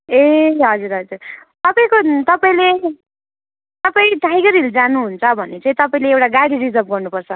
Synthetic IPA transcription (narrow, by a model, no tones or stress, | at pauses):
eɦʌd͡zuɾɦʌd͡zurt̪ʌpaĩkot̪ʌpaĩle | t̪ʌpaĩʈajɡʌɾild͡zanuɦunt͡sʰʌbʱʌnet͡sãĩt̪ʌpaĩleewʈaɡaɽirid͡zʌp̚ɡʌrnupʌrt͡sʰʌ